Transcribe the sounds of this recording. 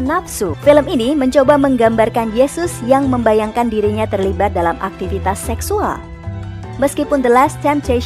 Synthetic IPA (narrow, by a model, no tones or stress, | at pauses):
napsufiləminiməɲt͡ʃobaməŋɡambarkanjesʊsjaŋməmbajaŋkandiɾiɲat̪ərlibat̪̚dalamʔa̰k̚t̪ifit̪asːɛksua̰l | məskipʊndəlast̪ɛmpt̪e